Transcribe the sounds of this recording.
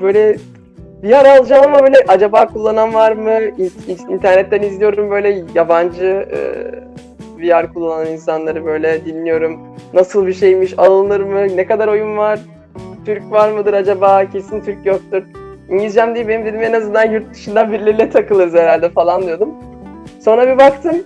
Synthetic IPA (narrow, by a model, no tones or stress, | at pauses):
bø̞jlʲɛ | bijaɾalˠd͡ʒamamabøːlʲɛʔad͡ʒabaːkʰulˠːananvaɾmɯiint̪ʰæɾnɛt̪ːænizlʲijo̞ɾumbø̞jlʲɛjaband͡ʒɯɯ̰ː | bijaɾkʰulˠːaːananinsanlˠaɾɯbø̞jlʲɛd̪inlːʲijo̞ɾum | nasɯlˠbiʃe̞jmiʃalˠɯnɯɾmɯnekad̪aɾo̞junvaɾ̥ | t̪ʰyɾcvaɾmɯd̪ɯɾad͡ʒabaːcʰe̞sint̪ʰyɾcjo̞k̚t̪uɾiɲɟilʲd͡ʒæmd̪ijibenimd̪e̞d̪imenazɯnd̪anjuɾt̪̚d̪ɯʃɯnd̪anbiɾlʲiɾilʲɛt̪ʰakɯlˠɯɾɯzeɾælʲd̪ɛfalˠand̪ijo̞d̪um | so̞nɾabibakt̪ʰɯm